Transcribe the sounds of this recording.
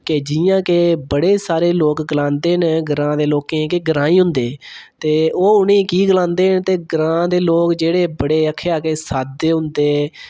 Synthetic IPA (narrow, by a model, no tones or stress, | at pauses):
ked͡ʒɪjãːkebəɽeːsaːɾeːloːkɡəlãːnd̪eːnɡəɾãːd̪eːloːkẽːkeɡəɾãːiːɦʊ̃nd̪eː | t̪eːoːʊnẽːkiːɡəlãːnd̪eːɦnt̪eːɡəɾãːd̪eːloːkd͡ʒeːɽeːbəɽeːəkʰːeːaːkeːsaːd̪eːɦʊ̃nd̪eː